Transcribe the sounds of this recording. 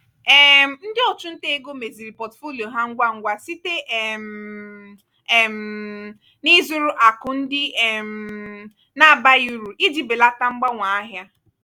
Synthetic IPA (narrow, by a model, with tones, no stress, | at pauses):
ɛ˦m̩˦n̩˦dɪ˦ɔ˨t͡ʃʊ˦n̩˦te˦e˦ɡo˦me˨zi˨ɾi˨pɔ˨tfo˦li˨o˨ɦa˦ŋ̩˦ɡʷa˦ŋ̩˦ɡʷa˦si˦te˦˨m˨ | m̩˨ | ni˦zu˦ɾʊ˦ʔa˨kʊ˨n̩˦dɪ˦ɛ˨m̩˨ | na˦˨ba˦iu˦ɾu˨ʔi˦d͡ʒi˨be˨la˦ta˦ŋ͡m̩˦ɡ͡ba˦ŋʷa˨a˦ɦja˦